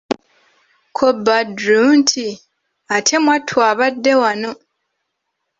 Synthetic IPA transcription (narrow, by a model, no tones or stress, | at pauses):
kʰobːadɾuntʰi | atʰemwatʰwaːβadːe̞wano